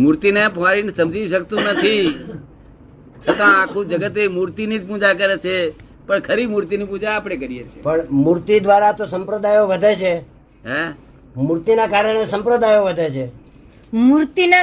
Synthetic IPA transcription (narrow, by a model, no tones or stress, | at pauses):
muɾt̪inepʋaɾinsəmd͡ʒiiʃəkt̪ũnət̪ʰi | t͡ʃʰət̪ãakʰũd͡ʒəɡət̪emuɾt̪inid͡ʒpũd͡ʒakəɾet͡ʃʰe | pəɳkʰəɾibmuɾt̪inipũd͡ʒaːpəɽ̃ekəɾijet͡ʃʰepəɳmuɾt̪id̪ʋaɾat̪osəmpɾəd̪ajoʋəd̪ʱet͡ʃʰe | ɦɛ | muɾt̪inakaɾəɳ̃esəmpɾəd̪ajoʋəd̪ʱet͡ʃʰe | muɾt̪ina